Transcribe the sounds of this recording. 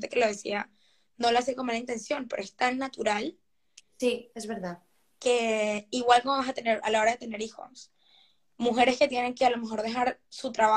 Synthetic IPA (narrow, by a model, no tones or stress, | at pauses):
t̪̬eke̞lo̞ðesḭa | no̞loas̬ekomalaint̪e̞nsjo̞npeɾoest̪anːat̪uɾal | siezβeɾðað | ke̞iɣwalkomoβasat̪e̞ne̞ɾa̰lao̞ɾaðe̞t̪ene̞ɾixo̞̰s | muxe̞ɾe̞ske̞t̪je̞ne̞ŋkealo̞me̞xo̞ɾðe̞xaɾsut̪ɾaβa